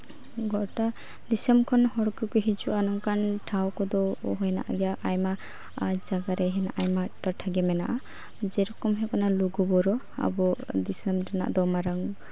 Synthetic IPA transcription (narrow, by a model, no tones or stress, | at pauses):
ɡɔta | d̪isemkʰɔnhɔɽkɯkɯɦit͡ʃuʔanɔŋkantʰawkʰɔd̪ɔɔɦɔjna̰ʔa̰ɡijaʔajma | d͡ʒaɡaɾɛɦɛna̰ʔajmatɔʈʰaɡɛmɛna̰ʔa | d͡ʒɛɾɔkɔmɦɛkɔnaluɡubɔɾɔ | a̰bɔd̪isɛmɾɛna̰ʔd̪ɔmaɾaŋ